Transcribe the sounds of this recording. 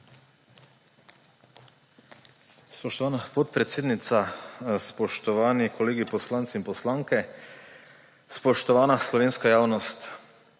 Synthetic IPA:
spɔʃt̪ɔʋaːnapɔt̪̚pɾɛt̪seːd̪nit̪saspɔʃt̪ɔʋaːnikʰɔleːɡipɔslaːnt̪siinpɔslaːŋkɛ | spɔʃt̪ɔʋaːnaslɔʋeːnskajaːwnɔst̪

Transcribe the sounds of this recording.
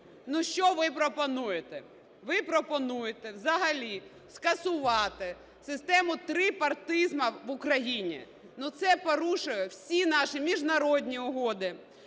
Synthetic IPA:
nuʃt͡ʃɔʋɪpɾɔpɔnujet̪ɛ | ʋɪpɾɔpɔnujet̪ɛwzɐɦɐlʲi | skɐsʊʋɑt̪ɪ | sɪst̪ɛmʊt̪ɾɪpɐrt̪ɪzmɐʋʊkɾɐjinʲḭ | nut̪sɛpɔɾuʃʊjʊwsʲinɑʃimʲiʒnɐɾɔd̪ʲnʲiʊɦɔd̪ɪ

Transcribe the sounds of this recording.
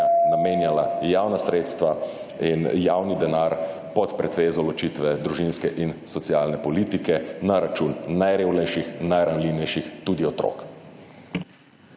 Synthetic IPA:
nameːnjalajaːwnasɾeːt̪st̪ʋa | injawnid̪ɛnaɾ | pɔt̪pɾɛt̪ʋeːzɔlɔt͡ʃit̪ʋɛd̪ɾuʒinskɛʔinsɔtsiaːlnɛpɔliːt̪ikɛnaɾat͡ʃunːajɾeːwnɛjʃixnajɾanliwnɛjʃixt̪uːd̪iɔt̪ɾo̰k

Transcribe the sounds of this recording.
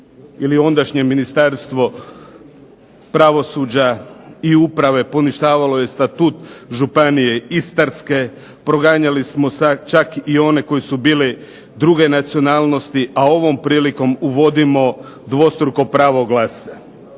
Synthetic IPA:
iliond̪aʃɲeminist̪aɾst̪ʋo̞ | pɾaʋo̞suːd͡ʑaiupɾaʋe̞po̞niʃt̪aːʋalo̞je̞st̪at̪uːt̪ʒupanije̞ist̪aɾske̞ | pɾo̞ɡaɲalismo̞sat͡ʃakio̞ne̞ko̞jisubiːle | d̪ɾuɡe̞nat̪sio̞naːlˠno̞st̪iʔao̞ʋo̞mpɾiːliko̞muʋo̞d̪imo̞ | d̪ʋo̞st̪ɾuko̞pɾaʋo̞ɡlase

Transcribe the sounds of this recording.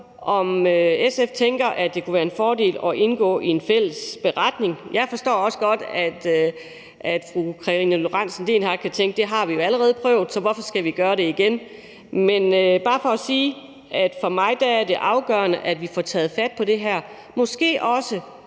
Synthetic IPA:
ʔɒ̽møeseft͡sʰeŋɡ̥ɐʔæd̥e̝kʰuʋæːɐe̝nfɒːde̝̰ːlɒ̽ʔe̝nɡ̥ɔ̰ːʔie̝nfel̰əsb̥e̝ʁɑd̥ne̝ŋjɑ̈ɪfɒ̽sd̥ɔ̰ːɒ̽sə̥ɡ̥ɒ̽d̥æd̥ | æd̥fʁukʰʁɑʁinəlo̝ʁɑn̰sn̩d̥e̝nhɑ̥̈kʰæt͡sʰeŋɡ̥əd̥e̝ɦɑ̈ʋijo̝æləʁɛːð̞̩ˠpʰʁœʊ̰ð̩ˠsɒ̽ʋɒfɒ̽sɡ̥æʋiɡ̥ɶːɐɾe̝iɡ̥en | menøb̥ɑ̈ːfɒ̽ːsiː | æd̥fɒ̽mɑ̈ɪd̥ææɐd̥e̝ʔɑ̈ʊɡ̥œːɐnəʔæd̥ʋifɒt͡sʰɛ̰ːð̞̩ˠfæd̥̚pʰɒ̽ɾ̥e̝ɦæɐ̰ | mɒ̽sɡ̥e̝̰ːʔɒ̽sə

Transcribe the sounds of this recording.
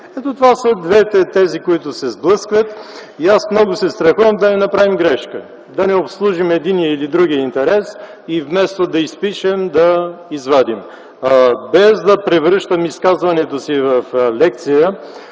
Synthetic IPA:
ɛt̪ot̪ovasəd̪vɛt̪ɛt̪ɛzikoit̪ʊsɛzblˠɤskvət̪iasmnɔɡʊsɛst̪ɾɐxuvəmd̪ɐnɛnɐpɾavimɡɾɛʃkə | d̪ɐnɛopslˠuʒimɛd̪injəilid̪ɾuɡ̟ijəint̪ɛɾɛs | ivmɛst̪od̪ɐispiʃɛmd̪ɐizvad̪im | bɛzd̪ɐpɾɛvɾɤʃt̪əmiskazvɐnɛt̪osivɐflɛkt̪sijə

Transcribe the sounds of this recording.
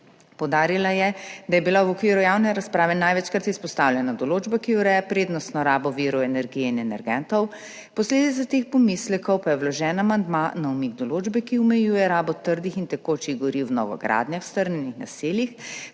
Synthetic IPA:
pɔwd̪aːɾilajɛd̪ajɛbilawɔkʋiːɾujawnɛɾaspɾaːʋɛnajʋɛt͡ʃkaɾt̪ispɔst̪awlʲjɛnad̪ɔloːd͡ʒbakiuɾɛːjapɾeːd̪nɔst̪nɔɾaːbɔʋiːɾɔɛnɛɾɡijɛinɛnɛɾɡɛnt̪ɔw | pɔsleːd̪it̪sat̪eːxpɔmislɛkɔwpajɛwlɔʒɛːnamand̪manaumiɡ̚d̪ɔloːd͡ʒbɛkiumɛjuːjɛɾaːbɔt̪əɾd̪ixint̪ɛkoːt͡ʃiɣɡɔɾiwnɔ̰ɡɔ̰ɡɾa̰ːd̪njawst̪əɾnɛnixna̰seːljix

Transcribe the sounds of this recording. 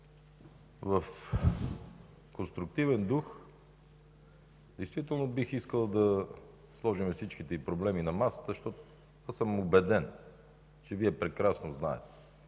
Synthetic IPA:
vɐf | konst̪ɾʊk̚t̪ivɛnd̪ux | d̪ɛjst̪vit̪ɛlˠnobixiskəlˠd̪ɐ | slˠɔʒimɛfsit͡ʃk̟it̪ɛipɾoblɛminɐmasə̥t̪əʃt̪ɔt̪ | asəmobɛd̪ɛn | t͡ʃɛviɛpɾɛkɾasnozna̰ɛ̰t̪ɛ̥

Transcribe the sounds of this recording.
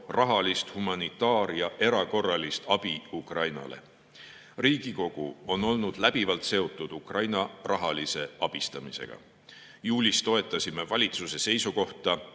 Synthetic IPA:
rɑɦɑlist̪humɑnit̪ːˑɑːɾjɑʔe̞ɾɑko̞rːɑlist̪ɑb̥iukrɑjnɑ̰le̞̰ | riːɡ̥iko̞ɡ̥uo̞no̞lnud̪̥læb̥ivɑlt̪se̞o̞t̪ːˑud̪̥ukrɑjnɑrɑɦɑlise̞ʔɑb̥ist̪ɑmise̞̰ɡ̥ɑ̰ | juːlʲist̪o̞e̞t̪ˑːɑsʲime̞vɑlʲit̪suse̞se̞jsuko̞ht̪ɑ

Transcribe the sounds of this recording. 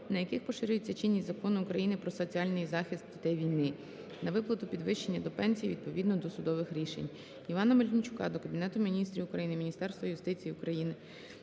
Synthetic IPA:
nɐjɐkɪxpɔʃɪɾʲʊjɪt͡sʲːɐt͡ʃɪnʲːizɐkɔnɪʊkɾɐjinɪpɾɔsɔt͡sʲiɑlʲnɪjzɑxʲist̪̚d̪ʲit̪ɛjʋʲijnɪ | nɐʋɪplˠɐt̪ʊpʲid̪ʋɪʃt͡ʃe̞nʲːɐd̪ɔpɛnʲsʲijiʋʲid̪̚pɔʋʲid̪nɔd̪ɔsʊd̪ɔʋɪxɾʲiʃḛnʲ | iʋɑnɐmɐlʲnʲit͡ʃʊ̥kɑ̰d̪ɔkɐbʲinɛt̪ʊmʲinʲist̪ɾʲiʊkɾɐjinɪmʲnʲist̪ɛrst̪ʋɐjʊst̪ɪt͡sʲijiʊkɾɐjinɪ

